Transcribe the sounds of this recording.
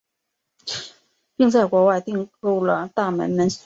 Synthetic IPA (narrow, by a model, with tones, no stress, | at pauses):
pi˥˧ŋt͡sa˥˩ɪkwɔ˧˥wa˥˧ɪt̪i˥˧ŋku˥˩ʊlə˩t̪a˥˩mə̰˧˥nmə˧˥n